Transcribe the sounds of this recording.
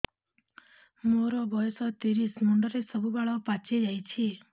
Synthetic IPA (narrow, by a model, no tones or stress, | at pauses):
moɾɔbʱɔjsɔt̪iɾismuɳɖəɾesəbubaɭɔpat͡ʃʰed͡ʒajt͡ʃʰi